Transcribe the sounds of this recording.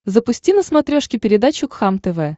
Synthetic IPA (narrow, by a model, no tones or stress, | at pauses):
zəpʊsʲtʲinəsmɐt̪ɾʲoʂkʲɪpʲɪɾʲɪd̪at͡ɕʊkxamt̪ɛvɛ